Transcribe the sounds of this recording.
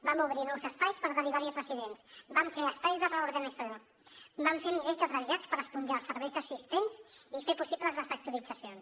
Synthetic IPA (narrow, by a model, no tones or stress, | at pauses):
bamuβ̞ɾinɔwzəspajspəɾðəɾiβaɾiəzrəsiðensbaɱfeəspajzðərəuɾðənəso | baɱfenilezd̪əɾəʒat͡spəɾəspunʲʒaəlˠsəɾβɛjzðəsist̪ensifepusipləzðəzək̚t̪uəlid͡zəsions